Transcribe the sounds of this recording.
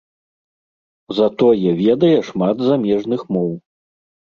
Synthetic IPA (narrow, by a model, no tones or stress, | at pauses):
zɐt̪ɔjɛvʲɛd̪ɐjɛʂmad̪zamʲɛʐnɨxmɔw